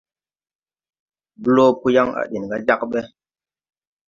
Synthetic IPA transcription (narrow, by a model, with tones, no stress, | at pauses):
blo˦pu˦ja˦ŋa̰˨ɗi˨n˨ɡa˦d͡ʒa˦kɓe˦